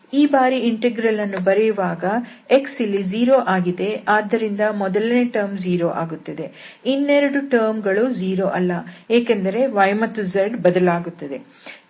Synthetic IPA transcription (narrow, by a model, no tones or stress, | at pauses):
iːbaːɾiiɳʈeɡɾɐlɐnːubɐɾɛjuʋaːɡɐeksilːid͡ʒiːɾoːʔaːɡid̪e̞aːd̪ːɐɾind̪ɐmɔd̪ɐlɐneʈɐɾmd͡ʒiːɾoːʔaːɡut̪ːɐd̪e̞ | inːeɾɐɽuʈɐɾmɡɐɭud͡ʒiːɾo̞ːʔɐlːɐeːkend̪ɐɾe̞ʋɐjmɐt̪ːuzɐɾɖbɐd̪ɐlaːɡut̪ːɐd̪e̞